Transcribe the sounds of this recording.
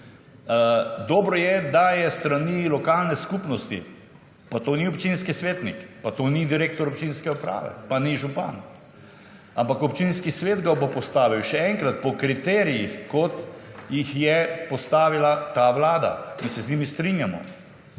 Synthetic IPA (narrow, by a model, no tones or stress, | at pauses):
d̪ɔːbɾɔjɛd̪ajɛst̪ɾanilɔkalnɛskupnɔst̪ḭ | pat̪oniɔpt͡ʃinskisʋeːt̪nḭkpat̪onid̪iɾeːk̚t̪ɔɾɔpt͡ʃinskɛupɾa̰ːʋɛ̰paniʒupa̰n | ampakɔpt͡ʃinskisʋeːd̪ɡabopɔst̪aːʋiwʃɛɛŋkɾat̪pɔkɾit̪ɛːɾijixkɔt̪jixjɛpɔst̪aːʋilat̪aʋlaːd̪a̰misɛznimist̪ɾinjamɔ̰